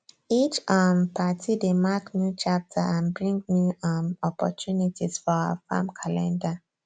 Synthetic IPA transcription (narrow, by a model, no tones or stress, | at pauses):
it͡ʃampʰatʰidemaknjut͡ʃap̚tʰaãnbɹĩŋɡnuamɔpʰɔ̰tʰjunitʰiz̥fɔaə̰fã̰mkʰalɛ̃nda